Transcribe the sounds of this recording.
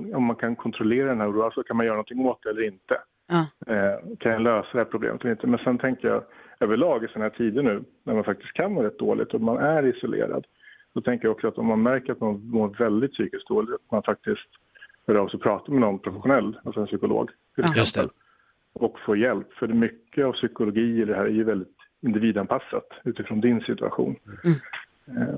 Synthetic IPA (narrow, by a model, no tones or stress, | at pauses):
ɔmːankʰankʰɔnt̪ʰɾɔleːɾad̪ɛnhæːɾɾuːasɔkʰanmanjœːɾanɔnt̪ʰɪŋoːt̪̚d̪ɛɛlːəɾɪnt̪ə | kʰanjaløːsad̪ɛhæːɾpʰɾʊblḛːmət̪ɛlːɾɪnt̪əmɛnsɛnt̪ʰɛŋkəjɑ̰ːøːvəɭɑːɡɪsɛnhæːʈʰiːd̪ənːʉ̟ː | næɾmanfakt̪ɪ̥st̪kʰanvoːɾɛt̪̚d̪oːlʔɪ̰t̪ɔmanæɾɪsʊlʔḛːɾa̰d̪ | sɔt̪ʰɛŋkəɾjaɔksɔat̪ɔmːanmæɾkəɾat̪manmoɾvɛld̪ɪt̪syːkɪs̚d̪oːlɪat̪manfak̚t̪ɪskt̪ | hœːɾɑːvsɔpʰɾɑːt̪amɛnɔnpʰɾʊfɛɧʊnɛlːalsɔɛnsʏkʊlo̰ːɡ | t̪ʰɪlɛksɛ̰mpə̰l | ʔɔkfoːɾjɛlpːfœɖɛmʏkːəavsʏkʊlʊɡiːɛd̪ɛɦæːɾæɾjɵvɛld̪ɪt̪ | ɪnd̪ɪviːd̪anpʰasːat̪ʉ̟ːt̪ɪfɾɔːnd̪ɪnsɪt̪ɵa̰ɧṵːn